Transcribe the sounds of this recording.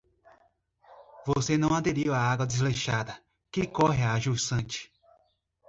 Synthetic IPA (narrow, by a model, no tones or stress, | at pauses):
vosenɐ̃w̃ad̪eɾiwaaɡwɐd̪ɪzlejʃad̪ɐ | kɪkɔɦɪaːʒusɐ̃t͡ʃɪ̥